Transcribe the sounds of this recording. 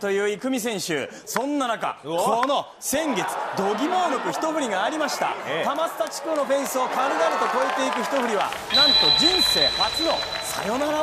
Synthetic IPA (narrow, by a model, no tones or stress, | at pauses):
t̪o̞jɯ̟ːikɯ̟mʲis̬ẽ̞ɕɨ̰ː | sõ̞nːanaka̰koːno̞ | sẽ̞ŋɡe̞t͡sɨ̥d̪o̞ɡʲimo̞ːnokɯ̟çi̥t̪o̞ɸɯ̟ɾʲiɡaːɾʲimaɕi̥t̪a̰t̪amasɨ̥t̪at͡ɕi̥kɯno̞ɸẽ̞ɰ̃sɨokaɾɯ̟d̪aɾɯ̟t̪o̞ko̞e̞t̪e̞ikɯ̟çi̥t̪o̞ɸɯ̟ɾʲiβa̰ | nãnt̪o̞d͡ʑĩɰ̃se̞ːhat͡sɨno̞sa̰jo̞naɾa